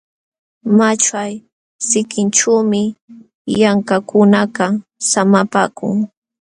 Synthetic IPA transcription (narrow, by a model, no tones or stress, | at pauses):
mat͡ʃaj | sɪkɪnt͡ʃuːmɪ | jaŋkakʊnakasamapa̰ːkʊ̰ŋ